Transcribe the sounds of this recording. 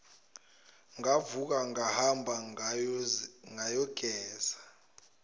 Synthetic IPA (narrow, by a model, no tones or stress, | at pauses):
ŋavuk̬aŋahambʱa | ŋajɔɡ̥ʱɛːzḁ